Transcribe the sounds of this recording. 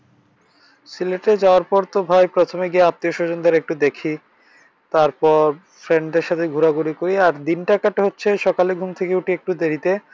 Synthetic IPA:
sileʈed͡ʑaoaɾpɔɾt̪obʱajpɾot̪ʰomeɡieap̚t̪ioʃod͡ʑond̪aɾek̚ʈud̪ekʰi | t̪aɾpɔɾ | fɾeɳɖɖeɾʃat̪ʰeɡʱuɾaɡuɾikoɾiaɾd̪inʈakaʈeɦotːɕʰeʃɔkaleɡʱumt̪ʰekeuʈiek̚ʈud̪eɾit̪e

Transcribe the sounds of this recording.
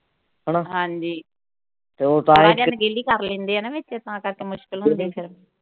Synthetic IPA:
ɦəɽaɦãːɲd͡ʒiː | t̪eoːt̪ãɪːɽijãːnɡeːliːkəɾlẽːnd̪eɦɛːnaʋet͡ʃet̪ãːkəɾkeːmʊʃkɪlõnd̪iːɛpʰɪɾm

